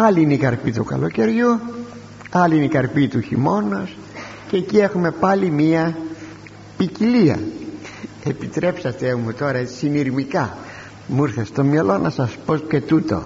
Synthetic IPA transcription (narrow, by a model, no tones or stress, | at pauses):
ɐliineikɐɾpit̪ukɐ̰lo̞ce̞ɾʝu | ɐliineikɐɾpit̪uçimo̞nos | cecie̞xume̞pɐlimiɐ | piciliɐ̰ | e̞pit̪ɾe̞psɐt̪e̞mut̪o̞ɾɐet͡si̥siniɾmikɐ | muiɾθest̪o̞mjɐlo̞nɐsɐspo̞t̪e̞t̪ut̪o̞̰